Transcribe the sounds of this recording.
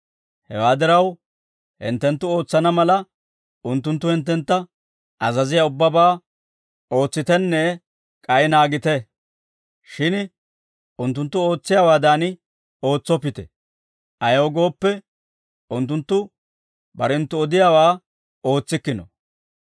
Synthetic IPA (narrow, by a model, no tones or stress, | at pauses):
hɛ̰waːd̪ɪɾɐw | hɪ̰nt̪ːɛnt̪ːʊo̞ːt͡sːɐnɐmɐlɐ | ʔʊnt̪ːʊnt̪ːʊhɛnt̪ːɛnt̪ːɐ | ʔɐzɐzɪjaʊbːɐbaː | o̞ːt͡sːɪt̪ɛnːɛ | kʼɐjnaːɡɪt̪ɛ | ʃɪn | ʊnt̪̬ːʊnt̪ːʊo̞ːt͡sːɪjaːwaːd̪aːn | o̞ːt͡sːɔpːɪt̪ɛ̰ | ʔɐjoːɡo̞ːpːɛ | ʊnt̪ːʊnt̪ːʊ | bɐɾɛnt̪ːʊɔd̪ɪjaːwaː | o̞ːt͡sːɪkːɪnɔ̰